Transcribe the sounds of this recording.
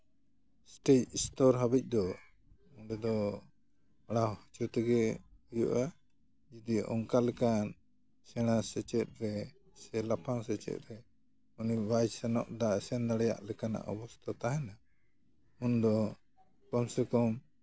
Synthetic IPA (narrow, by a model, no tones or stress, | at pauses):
sʈɛt͡ʃist̪ɔɾɦabic̚ˀd̪ɔ | ɔnɖɛd̪ɔ | aɽahɔt͡ʃut̪ɛɡɛujṵʔa | d͡ʒid̪iʔɔ̰ŋkalɛkan | sɛɽ̃asɛt͡ʃɛt̪̚ˀɾɛ | sɛlapʰaŋsɛt͡ʃɛ̰t̪̚ɾɛ | unibajd͡ʒsɛnɔʔɖasɛnd̪aɽɛja̰ʔlɛkana̰ʔɔ̰bɔst̪ʰɔt̪aɦɛna | und̪ɔ | pɔmsɛkɔm